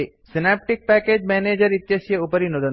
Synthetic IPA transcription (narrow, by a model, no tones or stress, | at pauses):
i | sinap̚ʈik̚pɛkeːd͡ʒmɛneːd͡ʒəɾit̪jɐsjəupəɾinod̪ə